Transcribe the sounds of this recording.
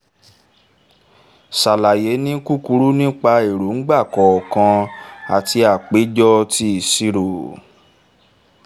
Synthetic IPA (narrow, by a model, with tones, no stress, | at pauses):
sa˨la˨je˨˦nĩ˦ku˦ku˧˦ɾu˦nĩ˦k͡pa˧e˨ɾu˨˦ŋ̩˦ɡ͡ba˦˨kɔ˨ɔ˨kã˧a˨ti˧a˨k͡pe˨˦d͡ʒɔ˦ti˧˨si˧ɾo˨